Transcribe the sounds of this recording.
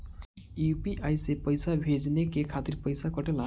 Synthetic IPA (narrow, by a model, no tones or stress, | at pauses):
jupiʔajsepʌjsabʱed͡znekekʰat̪irpʌjsakʌʈela